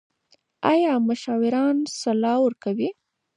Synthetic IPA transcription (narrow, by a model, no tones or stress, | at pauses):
ɑjɑmʊʃɑwɪɾɑnsalɑwəɾkawi